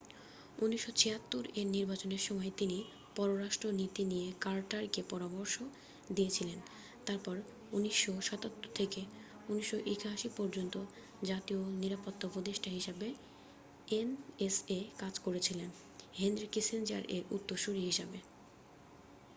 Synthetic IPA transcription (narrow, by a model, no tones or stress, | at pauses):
uniʃːot͡ɕʰeat̪ːuɾeɾniɾbat͡ɕoneɾʃɔmɔet̪ini | pɔɾoɾaʃʈɾonit̪inijekalʈaɾkepɔɾamoɾʃo | d̪ijet͡ɕʰilen | t̪aɾpɔɾ | uniʃːoʃɔt̪at̪ːoɾt̪ʰeke | uniʃːoʔikɦaʃipɔɾd͡ʑont̪o | d͡ʑat̪ioniɾapot̪ːapɾod̪eʃʈaɦiʃabe | enesekad͡ʑkoɾet͡ɕʰilen | ɦend̪ɾikisend͡ʑa̰ɾeɾṵt̪ːoʃuɾiɦiʃabe